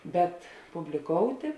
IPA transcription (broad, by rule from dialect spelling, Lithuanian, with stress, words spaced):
ˈbʲɛt pʊbʲlʲɪˈkoːʊtʲeː